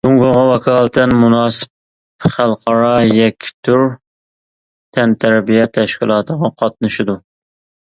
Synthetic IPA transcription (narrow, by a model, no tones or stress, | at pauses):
d̪uŋɡʊʁɑwɛkʰɑːlˠɨt̪ʰɛnmunɑːsɨ̥p | χælˠqʰɑɾɑjɛkʲʰːi̥t̪ʰyɾ | t̪ʰɛnt̪ʰæɾbijɛt̪ʰɛʃkʲilˠɑːt̪ʰəʁɑqʰɑt̪̚nɨʃɪd̪u